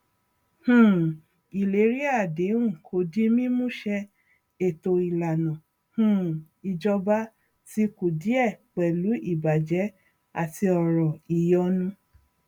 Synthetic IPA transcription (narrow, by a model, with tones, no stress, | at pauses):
hũ˦˨ | i˨le˨˦ɾi˦a˦˨de˨˦ũ˦˨kʰo˧˦di˦mĩ˦mũ˦ʃɛ˧ | e˨to˧i˨la˨nã˨ | hũ˦˨ | i˧d͡ʒɔ˧ba˦ | ti˧ku˨di˨˦ɛ˦˨k͡pɛ˨lu˨˦i˦˨ba˨d͡ʒɛ˨˦ | a̰˨ti˧ɔ˨ɾɔ˨i˨jɔ˧nũ˧